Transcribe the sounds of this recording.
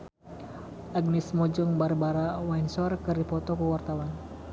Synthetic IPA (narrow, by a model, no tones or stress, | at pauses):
ʔaɡnismɔd͡ʒɔŋbarbaɾawainsɔrkɨrdipɔt̪ɔkuwart̪awan